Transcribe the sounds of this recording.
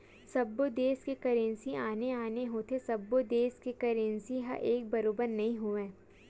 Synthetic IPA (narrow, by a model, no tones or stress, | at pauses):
sɐbːod̪eːskekɐɾẽnsiaːneaːneɦoːt̪ʰesɐbːod̪eːskekɐɾẽnsiɦɐ̰ʔeːk̚bɐɾoːbəɾnɐɦĩɦoːʋẽː